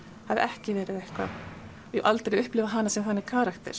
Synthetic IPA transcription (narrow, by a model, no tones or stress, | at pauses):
havɪʔɛhcɪvɛːɾɪðejhkva̰ | jɛ̰ʔalt̪eɾɪʏhplɪːvaɦanːasɛmθanːɪkʰaːɾakt̪ɛ̰ɾ̥